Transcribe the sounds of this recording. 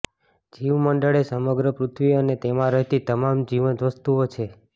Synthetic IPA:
d͡ʒiʋməɳɖəɭesəməɡɾəpɾut̪ʰʋiənet̪emãɾəɦt̪it̪əmamd͡ʒiʋənt̪ʋəst̪uot͡ʃʰe

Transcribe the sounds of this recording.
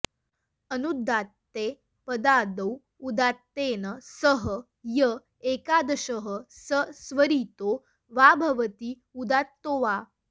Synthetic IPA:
ənud̪ʱːat̪ːe | pəd̪ad̪əw | ud̪at̪ːenəsəɦə | jə | ekad̪əɕəɦəsəsʋəɾiːt̪o | ʋabʱɐʋət̪iː | ud̪at̪ːoʋa

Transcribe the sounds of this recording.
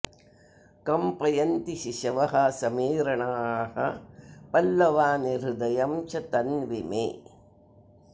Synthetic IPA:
kɐmpɐjɐnt̪ɪʃɪʃɐʋɐɦaːsɐmiːɾɐɳaːhɐpɐlːɐʋaːnɪɾɯd̪ɐjɐmt͡ʃɐt̪ɐnʋɪmḛː

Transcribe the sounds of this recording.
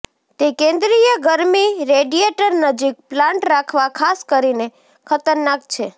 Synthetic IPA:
t̪ekẽnd̪ɾijəɡəɾmiɾeɖieʈəɾnəd͡ʒik̚plãɳʈɾakʰʋakʰaskəɾine | kʰət̪əɾnak̚t͡ʃʰe

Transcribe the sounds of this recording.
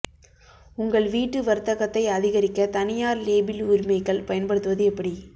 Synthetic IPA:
ʊŋɡɐɭʋiːʈːɯʋɐɾt̪ːɐɣɐt̪ːɐɪɐðɪɣɐɾɪkːɐt̪ɐnɪjaːɾleːbɪlʊɾɪmɐɪkːɐɭpɐjɐnpɐɽɯt̪ːɯʋɐðɯɛpːɐɽi

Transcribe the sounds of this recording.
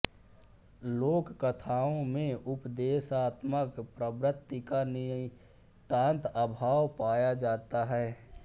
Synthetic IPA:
loːkːət̪ʰaːõmẽʔʊpd̪eːsaːt̪məkpɾəʋɾət̪ːikan | t̪ãːnt̪əbʱaːʋpaːjad͡ʒaːt̪aɦɛː

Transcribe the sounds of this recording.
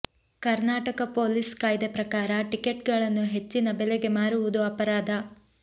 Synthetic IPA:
kɐɾnaːʈɐkɐpo̞ːliskaːjd̪epɾɐkaːɾɐʈike̞ʈɡɐɭɐnːuɦe̞t͡ʃːinɐbeleɡe̞maːɾuʋud̪uɐpɐɾaːd̪ʱɐ

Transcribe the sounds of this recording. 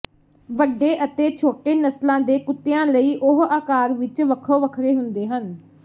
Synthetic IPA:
ʋəɖːeːʔət̪eːt͡ʃʰoːʈeːnəslãːd̪eːkʊt̪ːejãːləiːʔʊɦaːkaːɾʋɪt͡ʃʋəkʰoːʋəkʰɾeːɦʊnd̪eːɦən

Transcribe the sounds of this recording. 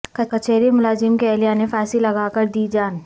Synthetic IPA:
kɐkɐt͡ʃeːɾimʊlaːzɪmkeɛːlijanefɛːsilɐɡaːkɐɾd̪iːd͡ʒaːn

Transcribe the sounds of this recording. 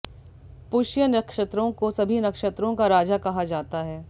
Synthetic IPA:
pʊʃjənɐkʃət̪ɾõkosɐbʱinɐkʃət̪ɾõkaɾaːd͡ʒakɐɦad͡ʒaːt̪aɦɛː

